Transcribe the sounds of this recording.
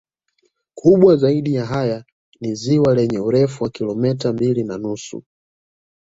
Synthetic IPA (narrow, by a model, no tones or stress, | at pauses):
kʰuɓwazaiɗijaɦaja | niziwalɛɲɛuɾɛfuwakilɔmɛtambilinanusṵ